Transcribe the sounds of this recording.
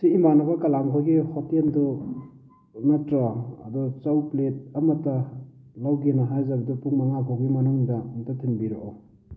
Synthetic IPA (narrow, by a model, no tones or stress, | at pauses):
siːmanabɐkɐlaŋkʰɔɡihɔtendɔ | nɐtɾaɐ̰dɔt͡ʃawplet̚ɐmɐtːɐ | lawɡenɐɦajzɐbɐdɔpuŋmaŋabʰɔwɡimɐnuŋdɐŋtatʰinbiɾɔ̰ʔaw